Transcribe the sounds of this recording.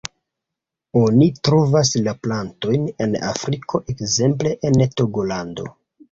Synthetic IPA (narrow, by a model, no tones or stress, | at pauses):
o̞nitɾo̞vas̬laplanto̞jne̞na̰fɾikʰo̞ʔe̞kze̞mp̬le̞ʔentoɡo̞lando̞̰